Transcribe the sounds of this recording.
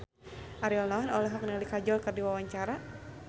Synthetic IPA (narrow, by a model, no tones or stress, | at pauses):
ʔaɾiɔlnɔɦɔnɔlɔɦɔk̚nəlikad͡ʒɔlkɨrdiwawaɲt͡ʃaɾa